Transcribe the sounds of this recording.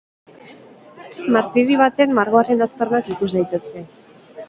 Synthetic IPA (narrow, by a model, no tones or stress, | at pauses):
maɾt̪iɾiβat̪e̞nmaɾɣo̞aɾe̞nast̪ernakikuzd̪ajt̪e̞ske̞